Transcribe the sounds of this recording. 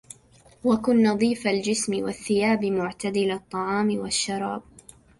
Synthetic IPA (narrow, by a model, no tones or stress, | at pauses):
wakʊnːɑðˤiːfald͡ʒɪsmɪwa̰θːɪjaːbɪmʊʕt̪ad̪ɪlat̪ˤːɑʕɑːmɪwaʃːɑɾˤɑːb̚